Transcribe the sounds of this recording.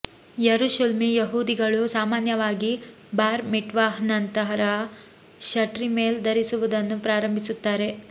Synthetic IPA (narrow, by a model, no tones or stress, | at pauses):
jɐɾuʃɐlmijɐɦuːd̪iɡɐɭusaːmaːnjɐʋaːɡi | baːɾmiʈʋaːɦnɐnt̪ɐɦɐɾɐ | ʃɐʈɾimeːld̪ɐɾisuʋud̪ɐnːupɾaːɾɐmbʱisut̪ːaːɾe̞